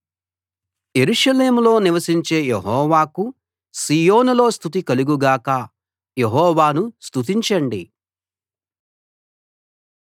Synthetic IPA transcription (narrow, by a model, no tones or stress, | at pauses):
je̞ɾuʂɐle̞ːmulo̞ːniʋɐsiɲt͡ʃe̞ːjeɦɔːʋaːku | siːjo̞ːnulo̞ːst̪ut̪̬ikɐluɡuɡaːkɐ | jeɦɔːʋaːnust̪ut̪̬iɲt͡ʃɐɳɖi